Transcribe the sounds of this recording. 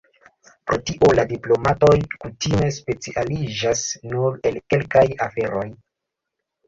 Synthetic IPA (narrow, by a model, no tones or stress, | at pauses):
pɾo̞tiʔo̞ladiplo̞mato̞jkutime̞spe̞t͡siʔalid͡ʒasnuɾe̞lke̞lkajafe̞ɾʔo̞j